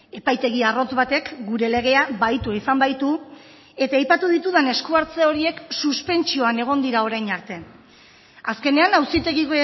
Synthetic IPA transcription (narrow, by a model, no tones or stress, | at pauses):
e̞pajt̪e̞ɣ̞iaro̞t͡sβat̪e̞kɡuɾe̞le̞ɣ̞e̞abajt̪uaisambajt̪u | e̞t̪aːjpat̪uðit̪uð̞ane̞skuaɾt͡seo̞ɾie̞ksuspe̞nt͡ʃio̞ane̞ɣ̞o̞nd̪iɾao̞ɾajɲaɾt̪e̞ | aske̞ne̞anawsit̪e̞ɣiɣoe